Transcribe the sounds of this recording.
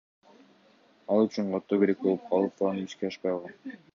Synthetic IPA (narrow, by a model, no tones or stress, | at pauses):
ɑlˠyt͡ʃyɴqot̪ːoɡeɾek̚bo̞lˠup̚qʰɑlˠɯp̚fɑɑnbyskeɑʃpɑjɑlˠʁɑn